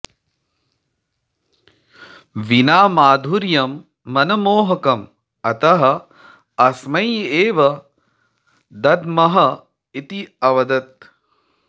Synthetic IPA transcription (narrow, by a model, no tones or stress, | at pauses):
ʋinaːmaːd̪ʱuɾjɐmː | ɐnɐmoːɦɐkɐm | ɐt̪ɐɦɐ̆ | ɐsmɐjeːʋɐ | d̪ɐd̪mɐɦɐ | it̪iɐʋɐd̪ɐt̪̚